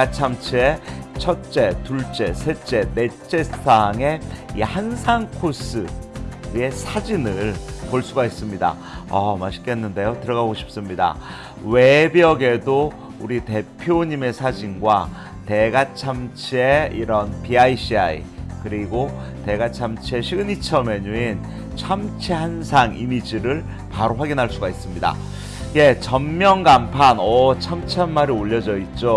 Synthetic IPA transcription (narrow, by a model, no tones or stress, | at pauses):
at͡ɕʰamt͡ɕʰie̞t͡ɕʰʌt̚t͡ɕ͈e̞tuɭt͡ɕ͈e̞sʰe̞t͡ɕ͈e̞ne̞t͡ɕ͈e̞aŋe̞ihansʰaŋkʰos͈ʰɯ | e̞sʰad͡ʑinɯɭpoɭs͈uɡais͈ɯmɲida̰ | ʌmaɕʰi̥k͈e̞nːɯnde̞jotɯɾʌɡaɡoɕʰi̥p̚s͈ɯmɲida̰ | we̞biʌɡe̞do | uɾite̞pʰjoɲime̞sʰad͡ʑinɡwa | te̞ɡat͡ɕʰamt͡ɕʰie̞iɾʌnpiaiɕ͈iaḭkɯɾiɡo | te̞ɡat͡ɕʰamt͡ɕʰie̞ɕʰiɡɯɲit͡ɕʰʌme̞ɲuin | t͡ɕʰamt͡ɕʰihansʰaŋimid͡ʑiɾɯɭ | paɾoɸwaɡinɦaɭs͈uɡais͈ɯmɲida̰ | je̞t͡ɕʌmmːjʌŋɡampʰanʌt͡ɕʰamt͡ɕʰianmaɾioʎːʌd͡ʑʌit̚t͡ɕ͈o